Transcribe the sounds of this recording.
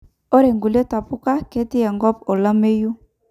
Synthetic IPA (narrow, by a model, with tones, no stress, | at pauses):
ɔ˦ɾe˨ŋɡu˨le˦ta˨pu˦ka˦ke˦ti˦ja˨ŋɡɔ˦pɔ˨la˦me˦ju˦